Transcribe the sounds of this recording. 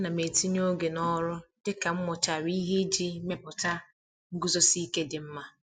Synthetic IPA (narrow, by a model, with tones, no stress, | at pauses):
na˨me˨ti˦ɲ˦o˦ɡe˨nɔ˦ɾʊ˦d̥ɪ˦ka˨m̩˦mʊ˨t͡ʃa˨ɾi˦ɦe˦d͡ʒi˦me˦pʊ˨ta˦ | ŋ̩˦ɡu˦zɔ˦si˦ke˦dɪ˨m̩˦ma˦